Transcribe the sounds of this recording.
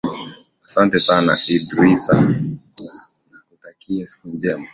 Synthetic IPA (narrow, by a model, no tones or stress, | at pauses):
asantɛsana̰idɾisa̰ | nakutakʰiasi̥kuɲd͡ʒɛma